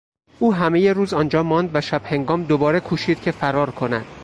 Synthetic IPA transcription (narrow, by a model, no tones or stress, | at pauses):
ʔuːɦæme̞je̞ɾuːzɒːnd͡ʒɒːmɒnd̪væʃæb̥he̞ŋɡɒːmd̪obɒːɾe̞kʰuːʃiːd̪̥̚cʲʰe̞fæɾɒːɾkʰo̞næ̰d̪̥